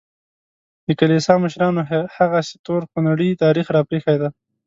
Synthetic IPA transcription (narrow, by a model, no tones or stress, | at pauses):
d̪əkalisɑməʃɾɑnohaɣasɪ̥t̪oɾxonaɽət̪ɑɾixɾɑpɾexajd̪a